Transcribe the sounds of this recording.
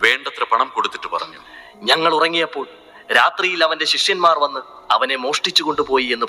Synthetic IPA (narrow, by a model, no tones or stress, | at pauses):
ʋe̞ːɳɖɐt̪ːrɐpɐɳɐmko̞ɽut̪ːiʈːɨpɐ̰rɐɲːu | ɲɐŋːɐɭurɐŋːijɐpːo̞ːɭ | ɾaːt̪rijilɐʋɐnde̞ɕiʂjɐnmaːrʋɐnːɨ | ɐ̰ʋɐne̞mo̞ːʂʈit͡ɕːuɣo̞ɳɖupo̞ːjie̞nːɨ